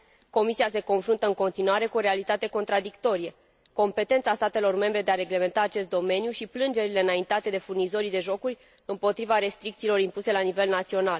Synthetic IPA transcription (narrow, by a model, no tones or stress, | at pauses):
ko̞misiase̞ko̞nfɾunt̪əɨŋko̞nt̪inuaɾe̞kuo̞ɾealit̪at̪e̞ko̞nt̪ɾad̪ikt̪o̞ɾije | ko̞mpe̞t̪e̞nt̪sast̪at̪e̞lo̞rme̞mbɾe̞d̪e̞aɾe̞ɡle̞ment̪aːt͡ʃe̞st̪d̪o̞me̞njuʃiplɨnd͡ʒe̞ɾile̞ɨnaint̪at̪e̞d̪e̞furnizo̞ɾid̪e̞ʒo̞kurʲ | ɨmpo̞t̪ɾivaɾe̞st̪ɾik̚t̪silo̞ɾimpuse̞lanive̞lnat̪sio̞nal